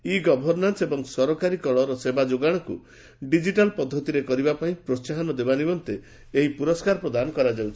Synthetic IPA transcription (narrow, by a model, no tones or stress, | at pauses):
iɡɔbʱɔɾnansebɔŋsɔɾɔkaɾikɔɭɔɾɔsebad͡ʒoɡaɽ̃ɔkṵ | ɖid͡ʒiʈalpɔd̪ʱːɔt̪iɾekɔɾibapaĩpɾɔt͡ʃaɦɔnɔd̪ebanimɔnt̪eː | ɦipuɾɔskaɾɔpɾɔd̪anɔkɔɾad͡ʒawt͡ʃʰi̥